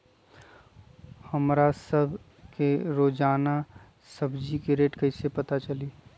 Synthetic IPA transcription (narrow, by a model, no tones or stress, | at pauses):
hɐmɾasəbʱ | keɾoːd͡ʒaːna | sɐbd͡ʒikeɾeːʈkɐɪsepɐt̪at͡ʃɐliː